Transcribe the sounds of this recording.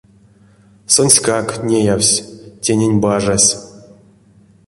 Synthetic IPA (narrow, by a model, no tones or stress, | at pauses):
sonʲsʲkaknʲejawsʲtʲenʲenʲbaʐasʲ